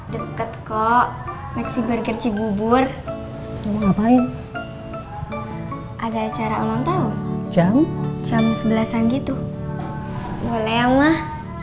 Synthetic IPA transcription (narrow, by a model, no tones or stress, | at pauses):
dəkət̪̚kɔʔ | maksibərɡərt͡ʃibubʊr | binapaɪn | ʔadaːt͡ʃaɾaolaŋt̪aut͡ʃamt͡ʃamsəbəlasanɡit̪u | ɡoneaŋmah